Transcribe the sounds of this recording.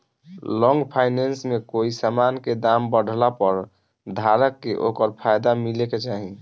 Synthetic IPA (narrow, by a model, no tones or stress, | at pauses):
lɔ̃ŋɡpʰajnensmekoisamanked̪ambəɽ̤ʱlapəɾ | d̪ʱaɾəkːeʔokəɾpʰajd̪amileket͡ʃaɦĩ